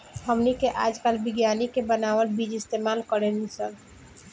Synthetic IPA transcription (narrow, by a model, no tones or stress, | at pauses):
həmnikeʔad͡ʒkalbiɡjanikebənaʋəlbid͡ʒist̪emalkəɾenisəl